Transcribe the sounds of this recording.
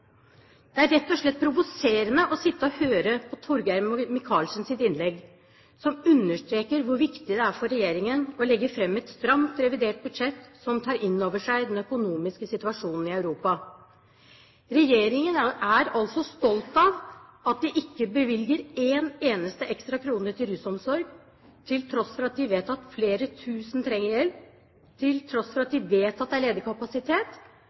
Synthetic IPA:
d̪̥ɛæɾɾɛt̪ːɔʂɭɛt̪̚pʰɾʊʋʊseːɾənəʔɔsɪt̪ːəɔhøːɾəpʰɔt̪ʰɔɾɡæɾmɪkʰɑːlsnsɪt̪ɪnlɛɡː | sɔmʉnːəʂʈɾeːkəɾʋʊɾʋɪkt̪ɪd̪ɛæɾfɔɾːɛjeːɾɪŋənɔlɛɡːəɾfɾɛmːɛt̪st̪ɾɑŋt̪ɾɛʋɪd̪eːʈ̚bʉd̪ʂɛt̪ːsɔmt̪ʰɑːɾɪnːoːʋəʂæɪd̪ɛnœkʊnuːmɪskəsɪt̪ʉɑʂuːnn̩ɪɑʉɾuːpɑ | ɾɛjeːɾɪŋənæɾɑlsɔst̪ɔlt̪ɑʋɑt̪̚d̪ɪʔɪkːəbəʋɪlɡəɾeːneːnəst̪əʔɛkst̪ɾɑkʰɾuːnəʈ̪ʰɪlɾʉsɔmsɔɾɡ | t̪ʰɪlt̪ʰɾɔsfɔɾɑt̪̚d̪ɪʋeːt̪ɑt̪fleːɾət̪ʰʉːsnt̪ʰɾɛŋːəɾjɛlp | t̪ʰɪlt̪ʰɾɔsfɔɾɑt̪̚d̪ɪʋeːt̪ɑt̪̚d̪ɛæɭeːd̪əkʰɑpɑsɪt̪ʰeːt̪

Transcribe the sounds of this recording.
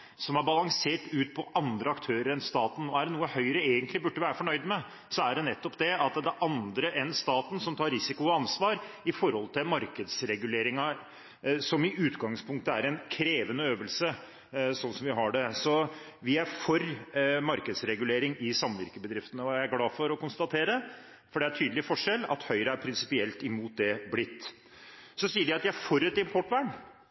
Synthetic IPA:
sɔmæɾbɑlɑŋseːʈʉːt̪̚pʰɔʔɑnd̪ɾəɑkt̪ʰøːɾəɾɛnst̪ɑːt̪n̩ɔæɖɛnuːəhœʏɾəeːɡənt̪lɪbʉɖːəʋæːɾəfɔɳœʏd̪mɛ | sɔæɖɛnɛt̪ːɔpd̪ɛɑt̪d̪ɛʔɑnd̪ɾəʔɛnst̪ɑːt̪n̩sɔmt̪ʰɑːɾɾɪsɪkʊɔɑnsʋɑːɾ | ɪfɔɾhɔlt̪ʰɪlmɑɾkəd̪sɾɛɡʉleːɾɪŋɑ | sɔmɪʔʉːt̪ɡɑŋspʰʊŋk̚t̪əæɾɛnkʰɾeːʋənəøːʋəlsə | sɔnsɔmʋɪɦɑɖɛsɔ | ʋɪæɾfɔɾmɑɾkəd̪sɾɛɡʉleːɾɪŋɪsɑmʋɪ̰ɾkəbəd̪ɾɪft̪ənəɔææɡlɑːfɔɾɔkʊnst̪ɑt̪ʰeːɾə | fɔɖɛæʈʰyːd̪l̩ɪfɔʂɛlːɑ̰t̪hœʏɾəæɾpʰɾɪnsɪpɪɛlt̪ɪmuːt̪̚d̪ɛblɪt̪ː | sɔsiːəɖɛɑt̪d̪ææɾfɔɾɛt̪ːɪmpʰɔʈʋæːɳ

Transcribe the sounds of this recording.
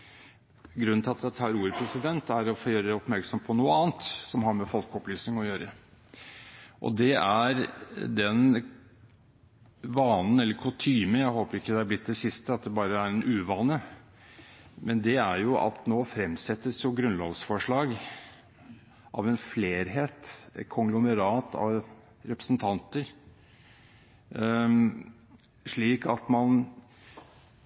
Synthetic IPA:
ɡɾʉnːnɪlɑt̪d̪æɑɑːɾuːɾəpʰɾɛsɪd̪ɛnt̪æɾɔfoːjøːɾəd̪ɛɔpmæɾksɔmpʰɔnuːəɑːnt̪sɔmɦɑɾmɛfɔlkɔplyːsnɪŋɔjøːɾə | ʔɔ̰d̪ɛæɾd̪ɛn | ʋɑːnn̩ɛlːəɾkʰʊlt̪ʰyːməjæɪhoːpəɾɪkːəd̪ɛɑblɪt̪̚ːd̪ɛsɪst̪əɑt̪̚d̪ɛbɑːɾəæɾɛnʔʉːʋɑːnə | mɛnd̪ɛæɾjʊʔɑ̰t̪noːfɾɛmsɛt̪ːəsjʊɡɾʉnlɔ̰ːʋsfɔʂɭɑːɡ | ʔɑ̰ʋɛnfleːɾɦeːt̪ɛkʰɔŋɡlʊməɾɑːt̪ʰɑ̰ʋ | ɾɛpɾə̥snt̪ʰɑnt̪əɾ | ʂɭiːkɑt̪mɑn

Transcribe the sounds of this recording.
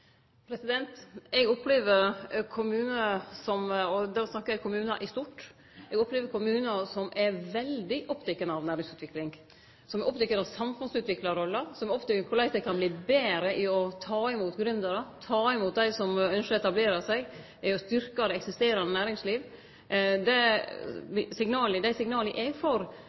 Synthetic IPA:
pʰɾɛsɪd̪ɛnt̪ɛɡɔpːleːʋəɾkʰʊmʉːnəsɔmɔd̪æɾɔsnɑkːəækʰʊmʉːnɑ̰ʔɪst̪uːʈ | ɛɡɔpːleːʋəɾkʰʊmʉːnɑsɔmʔɛɾʋɛld̪ɪʔɔpd̪ʰɛkːənəɑʋnæːɾɪŋsʉːt̪ʋɪklɪŋ | sɔmɛʔɔpːt̪ɛkːənɑʋsɑmfʉnsʉːt̪ʋɪklɑɾɔlːəsɔmɛɔpt̪ɛkːəkʰʊlæɪt̪əkʰɑnbliːbeːɾəʔɪɔt̪ʰɑːɪmuːt̪ɡɾʉnd̪əɾət̪ʰɑːɪmuːt̪̚d̪æɪsɔmœnʃəɛt̪ɑbleːɾɑsæɪɡ | ɪɔst̪ʏɾkɑɾɛɛksɪst̪eːɾɑnənæːɾɪŋsliːʋ | d̪ɛ | sɪŋnɑːləd̪æɪsɪŋnɑːləʔɛɡfɔɾ

